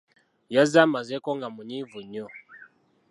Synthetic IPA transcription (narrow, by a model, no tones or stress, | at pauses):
jazamazɛkɔŋɡamuɲivuɲɔ